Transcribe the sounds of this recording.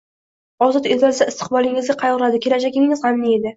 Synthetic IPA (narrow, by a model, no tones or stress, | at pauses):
ɒzɒt̪et̪ad̪aɪst̪ʰɨ̥qbɒlˠɪŋɪzɡʲaqʰɑjɒɾlad̪ɪkʲʰe̞lad͡ʒaɡʲɪŋɪŋɪzʁanːie̞d̪ɪ